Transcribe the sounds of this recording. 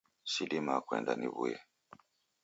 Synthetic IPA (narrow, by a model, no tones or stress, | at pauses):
sidimakwɛ̰ndaniβuje